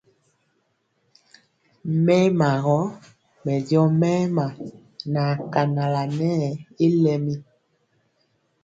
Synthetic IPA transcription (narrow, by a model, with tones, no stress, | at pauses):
mɛ˦ma˨ɣɔ˦ | mɛ˨djɔ˦mɛ˦ma˨ | na˨ka˨na˨la˨nɛ˦˨i˦lɛ˦mi˦